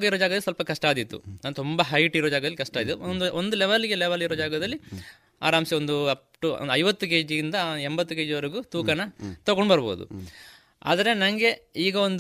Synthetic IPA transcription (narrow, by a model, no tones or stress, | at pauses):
ɡɐiɾoːd͡ʒaːɡɐɐlːisʋɐlpɐkɐʂʈaːd̪it̪ːṵnaːnt̪umbɐɦɐjʈiɾɔːd͡ʒaːɡɐd̪ɐlikɐʂʈaːd̪it̪ːund̪uond̪ulɛʋɐlɡelɛʋɐliɾoːd͡ʒaːɡɐd̪ɐlːi | a̰ːɾaːmsiond̪uɐ | ʈṵnd̪ɐjʋɐt̪ːuk̬e̞ːd͡ʒiind̪ɐembɐt̪ːuke̞ːd͡ʒiʋɐɾiɡut̪uːkɐnɐt̪ɐɡoɳɖbɐɾbɐ̰ud̪ṵ | a̰ːd̪ɐɾenɐŋɡe̞iːɡɐond̪